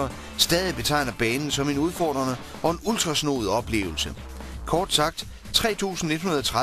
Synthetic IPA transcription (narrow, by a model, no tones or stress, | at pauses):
ɐ | sd̥ɛːðˠib̥e̝t͡sʰɑ̈ɪ̰nɐb̥ɛːnn̩sɒ̽me̝nuðˠfɒ̰ːd̥ʁɐnə | ɒ̽e̝nuld̥ʁɑ̈sno̝̰ːð̞̩ˠɒ̽b̥le̝̰ːʊl̩sə | kʰɒːd̥sɑ̈ɡ̥̚d̥ | t͡sʰʁɛ̰ːt͡sʰṵːsn̩ne̝d̥hunɐðˠɒ̽t͡sʰʁa